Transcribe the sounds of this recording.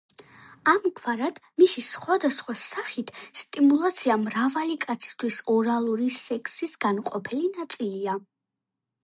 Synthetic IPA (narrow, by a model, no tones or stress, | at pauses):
amkʰwaɾad̪̥misisχwad̪asχwasaχit̪ʰst̪ʼimulˠat̪sʰiamɾavalikʼat̪sʰi̥st̪ʰwisɔɾalˠuɾisɛkʰsisɡ̥anqʼɔpʰɛlinat̪sʼilia